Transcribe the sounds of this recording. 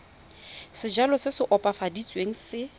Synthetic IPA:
sɪd͡ʒalɔsɪsɪʔɔpʼafadit͡sʼweŋ̩sɪ

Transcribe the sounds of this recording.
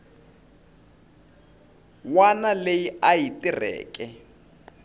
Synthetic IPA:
wanalejiajitʼirɛ̰ːkʼɛ

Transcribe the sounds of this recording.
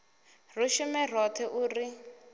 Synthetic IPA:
ruʃumɛr̤ɔt̪ʰɛʔuːri

